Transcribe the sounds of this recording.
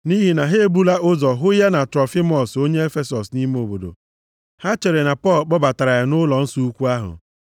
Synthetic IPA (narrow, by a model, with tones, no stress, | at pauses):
ni˦ɦi˨na˨ɦe˦e˦bu˦la˦ʊ˦zɔ˨ɦʊ˦ja˦na˨tɾɔ˨fi˦mɔ˨so˦ɲe˦e˦fe˦sɔ˨sni˦me˦o˨bo˨do̰˨ | ha˦t͡ʃe˨ɾe˨na˨pɔ˦˨lk͡pɔ˦ba˨ta˨ɾa˨ja˨nʊ˦lɔ˨n̩˦su˦u˦kʷu˦a˦ɦʊ̰˨